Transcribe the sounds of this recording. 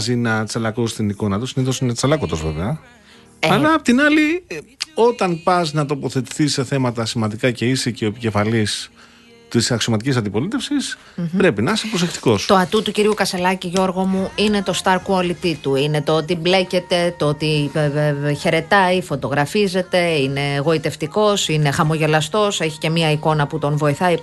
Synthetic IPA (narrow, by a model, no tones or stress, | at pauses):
zinɐt͡sɐlɐkost̪iniko̞nɐt̪usiniðosinet͡sɐlɐkot̪ozve̞̰veɐ | eɐlɐːpot̪inɐli | o̞t̪ɐnpɐznɐt̪o̞po̞θe̞t̪i̥θise̞θe̞mɐt̪ɐsimɐnd̪ikɐce̞isiceoepice̞fɐlis | t̪isɐksio̞mɐt̪icis̬ɐnd̪ipo̞lit̪e̞fsis | pɾe̞pinɐsepɾose̞xt̪i̥ko̞st̪o̞ɐt̪ut̪uciɾiukɐse̞lɐciʝo̞ɾɣo̞muine̞t̪o̞st̪ɐɾkuolit̪it̪uine̞t̪oot̪ible̞ce̞t̪e̞t̪oot̪i | çe̞ɾe̞t̪ɐifo̞t̪o̞ɣɾɐfize̞t̪e̞ine̞ɣo̞it̪e̞ft̪iko̞sine̞xɐmo̞ʝe̞lɐst̪o̞seçi̥ce̞miɐiko̞nɐput̪o̞nvo̞iθɐi